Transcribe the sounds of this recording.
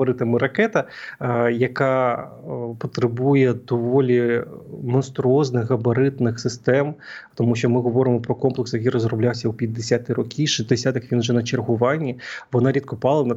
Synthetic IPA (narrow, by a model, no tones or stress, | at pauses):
ɔɾɪt̪ɪmɪɾɐkɛt̪ɐ | jɐkɑ | pɔt̪ɾɪbujɛd̪ɔʋɔlʲimɔnst̪ɾʊɔznɪxɣɐbɐɾɪt̪nɪxsɨst̪ɛmt̪ɔmuʃɔmɪɦɔʋɔɾɨmɔpɾɔkɔmplˠɨksjɐk̬ʲiɾɔzrɔblʲawsʲɐwpʲid̪̚ʲːesʲat̪ɪɾɔkʲʰiʃizʲd̪ɪsʲat̪ɐxʋʲinʒɛnɐt͡ʃerɦʊʋɑnʲːiʋɔnɑɾʲit̪̚kɔpɑlˠɐnɐ